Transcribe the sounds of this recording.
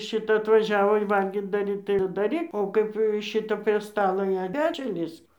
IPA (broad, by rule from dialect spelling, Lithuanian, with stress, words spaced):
ˈʃʲɪtɐ ɐtʋɐˈʒʲæːʋoː ɪ ˈʋɐlʲɡʲiːt dɐˈrʲiːt tɐɪ jɛʊ ɪr dɐˈrʲiːk oː ˈkɐɪp ˈʃʲɪtɐ pʲrʲiɛ ˈstɑːlˠoː jɛʊ ˈpʲæːt͡ʃʲʊn ˈlʲiːsk